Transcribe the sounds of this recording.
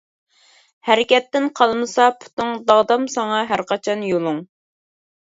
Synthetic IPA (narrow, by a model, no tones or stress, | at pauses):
hæɾɪkʲɛt̪ːɪnqʰɑlˠmɨsɑpʰu̥t̪ɨŋd̪ɑʁd̪ɑmsɑŋɑɦæɾqɑt͡ʃʰɑnjolˠuŋ